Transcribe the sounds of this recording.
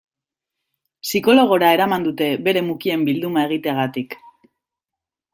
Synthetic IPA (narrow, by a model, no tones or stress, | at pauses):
siko̞lo̞ɣ̞o̞ɾae̞ɾamand̪ut̪e̞be̞ɾe̞mukie̞mbild̪umae̞ɣ̞it̪eaɣat̪ik